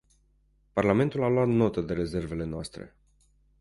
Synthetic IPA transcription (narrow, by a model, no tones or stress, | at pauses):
parlame̞nt̪ulaloat̪no̞t̪əd̪e̞ɾe̞ze̞rve̞le̞noast̪ɾḛ